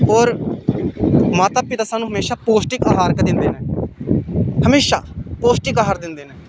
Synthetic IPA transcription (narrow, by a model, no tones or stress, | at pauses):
ɔːɾ | maːt̪aːpɪt̪aːsaːnũɦəmeːʃaːpoːsʈɪkaːɦaːɾkəd̪ɪnd̪eːnɛː | həmeːʃa̰ːpoːsʈɪkaːɦaːɾd̪ɪnd̪eːnɛː